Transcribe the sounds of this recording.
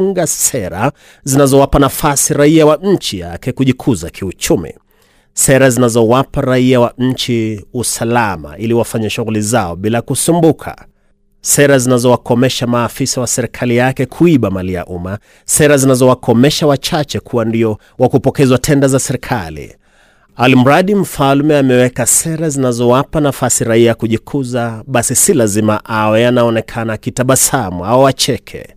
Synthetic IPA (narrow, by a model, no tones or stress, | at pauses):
ŋɡasɛɾa̰ | zinazɔwapanafasiɾaiawaɲ̩t͡ʃija̰kɛkuʄikʰuzakʰiut͡ʃumḭ | sɛɾazinazɔwapaɾaiawaɲ̩t͡ʃiusalama̰iliwafaɲaʃuɣulizaɔɓilakusumbukʰa̰ | sɛɾazinazɔwakɔmɛʃamaːfisawasɛɾɛkʰalijakɛkʰuiɓamalia̰ʔuma | sɛɾazinazɔwakʰɔmɛʃawat͡ʃat͡ʃɛkʰuwandiɔ | wakupɔkɛzwatʰɛndazasɛɾɛkʰalḭ | alim̩ɾaɗim̩falmɛamɛwɛkasɛɾazinazɔwapanafasiɾaiajakuʄikʰuzaɓasisilazimaʔawɛanaɔnɛkʰanakitaɓasamuawɔwat͡ʃɛkʰɛ̰